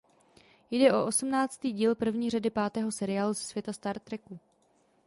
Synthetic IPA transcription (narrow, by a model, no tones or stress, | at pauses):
jdɛʔo̞ʔo̞sumnaːt͡st̪iːɟiːlpr̩vɲiːr̝adɪpaːt̪ɛːɦo̞sɛɾɪjaːluzɛsv̥jɛt̪ast̪aɾt̪ɾɛku